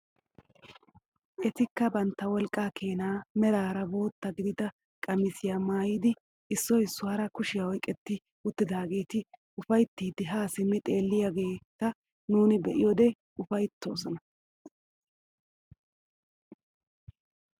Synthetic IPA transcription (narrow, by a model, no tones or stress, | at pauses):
ʔɛt̪ɪkːɐbɐnt̪ːɐwɔlkʼːaːkʰe̞ːnaːmɛɾaːɾɐbo̞ːt̪ːɐɡɪd̪ɪd̪ɐ | kʼɐmɪsɪjamaːjiːd̪ɪ | ɪsːɔjɪsːʊaːɾɐkʊʃɪjawɔjkʼːɛt̪ːɪ | ʊt̪ːɪd̪aːɡe̞ːt̪ɪ | ʊfɐjt̪ːiːd̪ɪɦaːsɪmːɪt̪ʼeːlːɪjaɡe̞ːt̪ːɐ | nuːnɪbɛʔɪjɔd̪ɛ | ʊfɐjt̪ːo̞ːsɔnɐ